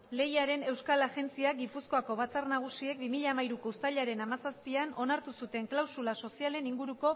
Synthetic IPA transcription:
le̞jaɾe̞ne̞wskalaʝe̞nt͡siaɡipusko̞ako̞β̞at͡sarnaɣ̞usie̞k̚bimiʎamaiɾuko̞ust̪aʎaɾe̞namasaspiano̞naɾt̪usut̪e̞ŋklawsulaso̞siale̞niŋɡuɾuko̞

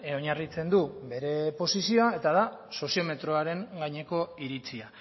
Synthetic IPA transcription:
o̞ɲarit͡se̞nd̪ube̞ɾe̞po̞sisio̞ae̞t̪að̞aso̞sio̞me̞t̪ɾo̞aɾe̞ŋɡaɲe̞ko̞iɾit͡sia

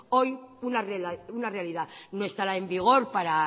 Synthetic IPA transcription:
o̞junareunarealiðanoe̞st̪aɾae̞mbiɣ̞o̞ɾpaɾa

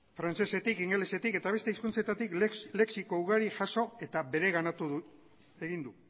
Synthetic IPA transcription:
fɾant͡ʃe̞se̞t̪ikiŋɡe̞lese̞t̪ike̞t̪aβ̞e̞st̪e̞iskunt͡set̪at̪ikle̞ksiko̞uɣaɾiʝaso̞e̞t̪abe̞ɾe̞ɣ̞anat̪uðu | e̞ɣind̪u

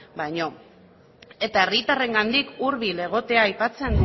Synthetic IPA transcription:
bajɲo̞ | e̞t̪ae̞rit̪are̞ŋɡand̪ikuɾβile̞ɣ̞o̞t̪e̞aːjpat͡se̞n

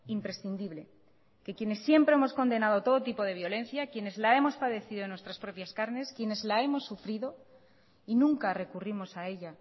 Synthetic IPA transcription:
impɾe̞sθind̪iβle̞ | ke̞kje̞ne̞sːje̞mpɾe̞e̞mo̞sko̞nd̪e̞nað̞o̞t̪o̞ð̞ot̪ipo̞ð̞e̞β̞jo̞lẽ̞n̟θjakje̞ne̞zlae̞mo̞spaðe̞θiðo̞enwest̪ɾaspɾo̞pjaskaɾne̞skje̞ne̞zlae̞mo̞sːufɾiðo̞ | inũŋkare̞kurimo̞sae̞ʎa

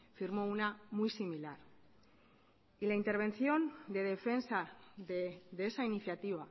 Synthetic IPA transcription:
fiɾmounamujsimilaɾ | ilaint̪e̞ɾβ̞e̞nθio̞nd̪e̞ð̞e̞fe̞nsa | d̪esainiθjat̪iβa

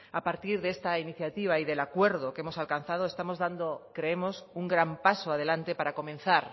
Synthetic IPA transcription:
apaɾt̪iɾðee̞st̪ainiθjat̪iβ̞aiðe̞lakwe̞ɾðoke̞mo̞salkan̟θað̞oe̞st̪amo̞zðand̪okɾe̞emo̞suŋɡɾampasoað̞elant̪e̞paɾako̞mẽ̞n̟θaɾ

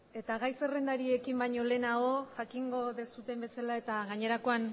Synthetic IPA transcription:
e̞t̪aɣ̞ajse̞rend̪aɾie̞kimbajɲo̞le̞nao̞ʝakiŋɡo̞ðe̞sut̪e̞mbe̞salae̞t̪aɣaɲe̞ɾako̞an

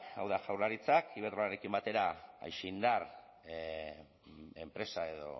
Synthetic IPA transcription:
awðaʝawɾaɾit͡sakiβeɾt̪olaɾe̞kimbat̪e̞ɾaa̰jʃeind̪ar | e̞mpɾe̞sae̞ðo̞̰

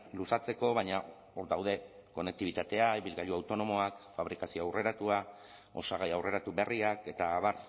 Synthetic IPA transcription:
lusat͡se̞ko̞β̞aɲa | o̞ɾd̪awð̞e̞ko̞ne̞k̚t̪iβit̪at̪e̞aiβilɣaʎuawt̪o̞no̞mo̞akfaβ̞ɾikasio̞awre̞ɾat̪ua | o̞saɣ̞ajawre̞ɾat̪ube̞riake̞t̪aβar

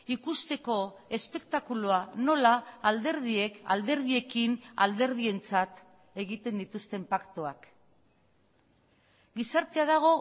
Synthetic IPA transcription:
ikust̪e̞ko̞ | e̞spe̞kt̪akuluano̞laːld̪e̞ɾð̞ie̞ka̰ld̪e̞ɾð̞ie̞kina̰ld̪e̞ɾð̞ie̞nt͡sat̪ | e̞ɣit̪end̪it̪ust̪e̞mpakt̪oak | ɡisaɾt̪e̞aðaɣ̞o̞

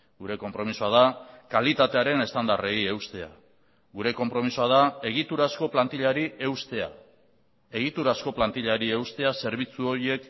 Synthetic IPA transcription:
ɡuɾe̞ko̞mpɾo̞misuað̞akalit̪at̪e̞aɾe̞ne̞st̪and̪are̞ie̞wst̪e̞a̰ | ɡuɾe̞ko̞mpɾo̞misuað̞ae̞ɣ̞it̪uɾasko̞plant̪iʎaɾie̞wst̪ea̰ | e̞ɣit̪uɾasko̞plant̪iʎaɾie̞wst̪e̞ase̞ɾβ̞it͡suo̞ɾie̞k

